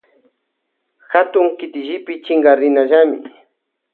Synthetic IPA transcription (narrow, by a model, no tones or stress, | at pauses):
xat̪ʊŋkɪt̪ɪʒɪpɪt͡ʃɪŋɡaɾɪnaʒamɪ̰